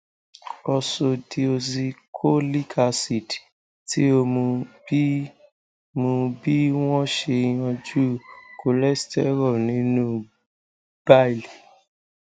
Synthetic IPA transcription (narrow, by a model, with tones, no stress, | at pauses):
ɔ˧so˧di˧o˧zi˧kʰo˦li˦kʰa˧si˨ti̥˨ | ti˦o˧mũ˧b | mũ˧bi˦w̃ɔ̃˦ʃe˧j̃ɔ̃˧d͡ʒu˦ko˧lɛ˦stɛ˦ɾɔ˦˨nĩ˨˦nũ˦ | b̥a˦˨li˨